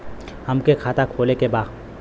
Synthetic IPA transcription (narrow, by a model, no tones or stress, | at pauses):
hɐmkekʰaːt̪akʰoːlekebaː